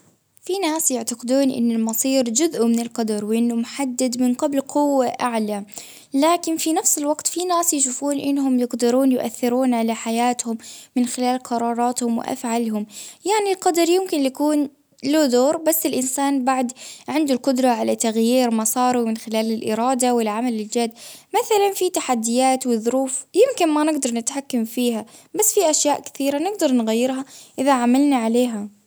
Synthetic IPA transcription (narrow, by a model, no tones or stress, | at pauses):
finaːsjaʕt̪aqɪd̪uːnʔɪ̰nːʊlmɑsˤiːɾd͡ʒʊzʔʊmɪnɪlqɑd̪ɑɾˤwɪʔɪnːʊmʊħad̪ːad̪mɪnqablqʊwːaʔaʕla | laːkɪnfinafsɪlwɑɡt̪finaːsjaʃuːfuːnʔɪnːɦʊmjɪqd̪ɪɾuːnjʊʔa̰θːɪɾuːnʕalaħajaːt̪hʊmːɪnxɪlaːlqʰɑɾˤɑːɾˤɑːt̪hʊmwɪ̰ʔa̰fʕalɦʊmjaʕnilqɑd̪ɑɾˤjʊmkɪnjakuːn | loːd̪oːɾbasːɪlʔɪnsaːnbaʕd̪ʕɪnd̪ʊlqʊd̪ɾˤɑʕalat̪aɣjiːɾmɑsˤɑːɾˤumɪnxɪlaːlɪlʔɪ̰ɾˤɑːd̪awɪlʕamalɪld͡ʒad̪ːmaθalanfit̪aħad̪ːɪjaːt̪wɪðˤʊɾuːfjɪmkɪnmanɪɡd̪ɑɾˤnɪt̪ħakːamfiːɦabasːfiʔaʃjaːʔkɪ̥θiːɾanɪɡd̪ɑɾˤnɣajːɪɾɦaʔɪðaʕamalnaʕaleːɦa